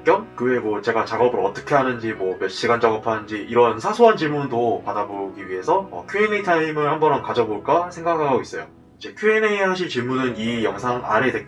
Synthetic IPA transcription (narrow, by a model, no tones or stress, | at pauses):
k͈jʌmkɯwe̞mwʌt͡ɕe̞ɡat͡ɕaɡʌbɯɾʌt͈ʌ̥kʰe̞ɦanɯnd͡ʑimwʌmjʌɕ͈iɡant͡ɕʌɡɯpʰanɯnd͡ʑiʔiɾʌnsʰasʰoɦant͡ɕimundopadaboɡiɥiɦe̞sʰʌʌ̰kʰjuenetʰaimɯɭhambʌnɾɦʌnkad͡ʑʌboɭk͈asʰe̞ŋɡakɯɦaɡɡois͈ʌjo | id͡ʑe̞kʰjuinesʰaɕʰiɭt͡ɕimunɯnijʌŋsʰaŋa̰ɾede̞